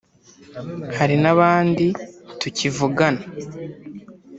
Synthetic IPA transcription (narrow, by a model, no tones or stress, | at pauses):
haɾinaβaːnditucivuɡana